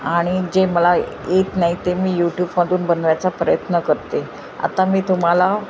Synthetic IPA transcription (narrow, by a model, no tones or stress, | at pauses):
aɽ̃id͡ʑeməla | jet̪naɦit̪emiːjuʈjuːbmad̪ʱuːnbənʋjat͡sapɾəjət̪nəkəɾt̪e | a̰t̪amiːt̪um̤ala